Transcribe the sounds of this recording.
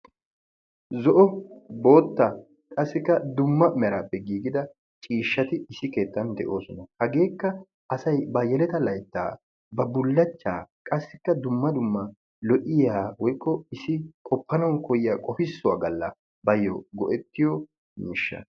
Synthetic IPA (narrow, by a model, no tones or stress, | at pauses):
zɔʔɔbo̞ːt̪ːɐ | kʼɐsːɪkːɐd̪ʊmːɐmɛɾaːpːɛɡiːɡɪd̪ɐ | t͡ʃʼiːʃːɐt̪ɪːsɪke̞ːt̪ːɐnd̪ɛʔo̞ːsɔnɐhɐɡe̞ːkːɐ | ɐsɐjbɐjɛlɛt̪ɐlɐjt̪ːa̰ː | bɐbʊlːɐt͡ʃːaːkʼɐsːɪkːɐd̪ʊmːɐd̪ʊmːɐ | lɔʔɪjaːwɔjkːɔɪsɪkʼɔpːɐnɐwnkɔjɪjaːkʼɔfɪsːʊwa̰ːɡɐlːɐ | bɐjːɔ̰ɡɔʔɛt̪ːɪjɔ | miːʃːɐ̰